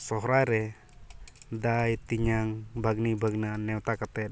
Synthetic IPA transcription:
sɔɦɾaɾɛ | dait̪iɲaŋbaɡnibaɡnanɛwt̪akat̪ɛ

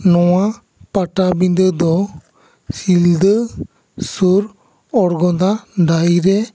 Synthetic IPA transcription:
nɔwa | paʈabind̪əd̪ɔ | sild̪ə | suɾ | ɔɾɡɔd̪aɖajɾɛ

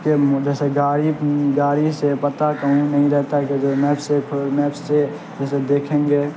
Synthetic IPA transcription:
ked͡ʒɛːseɡaːɾiɡaːɾisepət̪akəɦĩnəɦĩɾɛɦt̪aɦɛked͡ʒomɛːpsepʰɪmɛːpsːe | d͡ʒɛːsed̪eːkʰẽːŋɡeː

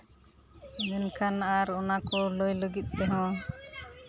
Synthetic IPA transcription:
mɛnkʰanaʔaɾɔnakɔləjləɡit̪̚ˀt̪ɛɦɔ̃

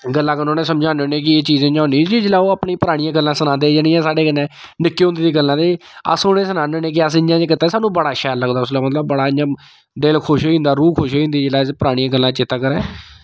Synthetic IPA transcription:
ɡəlːãːkənoːnẽːsəmd͡ʒãːnoːnẽːk̬ɪeːt͡ʃiːzẽːɲd͡ʒãːʊniːd͡ʒiːd͡ʒɪlaːoːaːpnĩːpəɾaːɽ̃ɪjãːɡəlːãːsənãːnd̪eːd͡ʒenĩːɛ̃ːsaːɖeːənɛ̃ːnɪkːeːʊnd̪eːd̪iːɡəlːãːd̪eːə̰sʊneːs̬ənaːnoːnẽːk̬ɪəs̬ɪɲd͡ʒãːd͡ʒekɪt̪ːaːsaːnːũːbəɽaːʃɛːlːəɡd̪aːʊs̬laːmət̪ləbːəɽaːɪd͡ʒãː | ɖeːlkʰʊʃĩːnd̪aːɾuːkʰʊʃoːĩːnd̪iːd͡ʒɪlaːspəɾaːɽ̃ijãːɡəlːãːt͡ʃɪt̪ːaːkəɾɛː

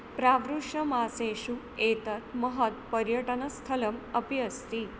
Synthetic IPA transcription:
pɾaʋɾuʂəmasẽʃu | et̪ət̪məɦət̪pəɾjəʈənəst̪ʰələməpiəst̪i

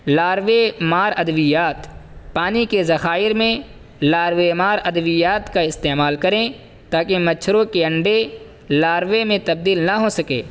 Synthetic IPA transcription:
laːɾʋemaːɾɐd̪əʋijaːt̪paːnikezɐxaːɪɾmẽ | laːɾwemaːɾɐd̪əʋijaːt̪kaɪst̪eːmaːlkɐɾẽ | t̪aːkemɐt͡ʃʰɾõkeɐ̃ɳɖe | laːɾwemẽt̪ɐb̚d̪iːlnɐɦosɐkḛː

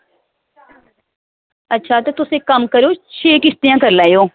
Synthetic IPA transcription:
ətːʃʰaːt̪ot̪ʊsẽːkəmkəɾoːʃʰeːkɪst̪ijãːkəɾlaːoː

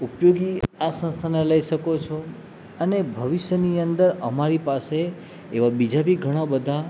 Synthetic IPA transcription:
upjoɡiasə̃nst̪ʰaneləiʃəkot͡ʃʰo | ənebʱəʋɪʃjəniənd̪əɾəmaɾipaseː | ʋabid͡ʒabʱiɡʱəɽ̃abəd̪ʱa

